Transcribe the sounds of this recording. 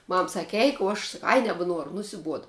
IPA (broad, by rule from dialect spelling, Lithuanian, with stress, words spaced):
ˈmɐm ˈsɑːkʲɪ ˈɛɪk oː ˈɐʃ s nʲɛbʲɛˈnuɔrʊ nʊsʲɪˈbuɔdɐ